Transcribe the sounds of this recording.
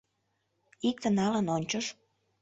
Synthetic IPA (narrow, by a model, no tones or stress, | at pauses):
ik̚t̪ənɑlənonʲt͡ɕoʃ